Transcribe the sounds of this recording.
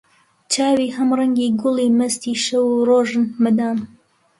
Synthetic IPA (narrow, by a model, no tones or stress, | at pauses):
t͡ʃaːwiːhɐmrɐŋɡiːɡʊliːmɐst̪iːʃɐwuroːʒɨnmɨd̪aːm